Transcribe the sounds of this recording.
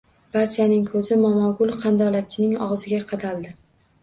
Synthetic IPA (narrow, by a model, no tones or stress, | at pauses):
b̥aɾt͡ʃʰanɪŋkʰɵzɪmɒmɒɡʊlˠqʰɑnd̪ɒlat̪̚t͡ʃʰɪnɪŋɒ̰ʁzɪɡʲaqʰɑd̪alˠd̪ɪ